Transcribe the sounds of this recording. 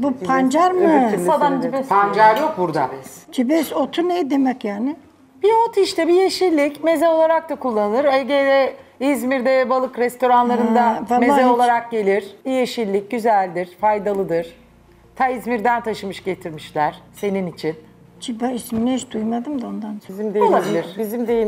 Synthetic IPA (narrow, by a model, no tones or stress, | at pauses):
bupʰand͡ʒaɾmɯad̪and͡ʒibɛsand͡ʒaɾjok̚buɾd̪at͡ʃʰibɛsot̪ʰunɛjd̪e̞mɛcjaːnɪ | b̥iot̪ʰiʃt̪ʰɛbijeʃilʲːicmezɛo̞lˠaɾak̚t̪akʰulˠːanɯnɯɾeɟed̪ɛizmiɾd̪ɛvɛbalˠɯkɾɛst̪ʰo̞ɾanlˠaɾɯnd̪avameːaɛo̞lˠaɾak̚ɟe̞lʲiɾ̥ijeʃiɾlʲːic̚ɟyzælʲd̪iɾ̥fajd̪alˠɯd̪ɯɾ̥ | t̪ʰaizmiɾd̪ænt̪ʰaʃɯmɯʃɟe̞t̪ʰiɾmiʃlʲæɾ̥se̞ninit͡ʃʰin | t͡ʃibɛisminʲɛʃd̪ujmad̪ɯmd̪aond̪anizimd̪ejlˠabilʲiɾbizimd̪eji